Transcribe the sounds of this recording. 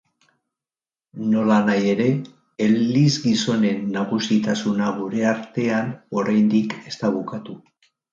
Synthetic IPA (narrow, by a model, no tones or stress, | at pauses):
no̞lanaje̞ɾe̞ː | lːizɡiso̞ne̞nːaɣusit̪asunaɣuɾe̞aɾt̪e̞ano̞ɾajnd̪ike̞st̪aβukat̪u